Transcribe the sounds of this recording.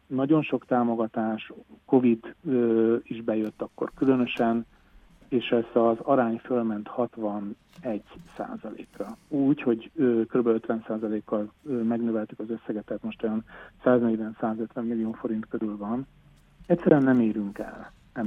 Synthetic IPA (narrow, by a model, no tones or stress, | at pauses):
nɒɟo̞nʃo̞kt̪aːmo̞ɡɒt̪aːʃko̞vid̪øːiʒbɛjøt̪ːɒkːo̰rkylø̞nøʃɛn | eːʃɛst̪ɒzɒɾaːɲfølmɛnt̪hɒt̪vɒn | ɛɟːsa̰ːzɒlḛːkrɒuːcho̞ɟøkøɾybɛløt̪ʋɛnsaːzɒleːkːɒlːmɛɡnøːvɛlt̪ykɒzøsːɛɡɛt̪ːɛːt̪mo̞ʃt̪ojɒnsaːznɛɟvɛnsaːzøt̪ʋɛmːilːijoːfo̞ɾint̪køɾylvɒn | ɛcʲsːɛɾyɛnːɛmeːɾyŋkɛ̰l | ɛ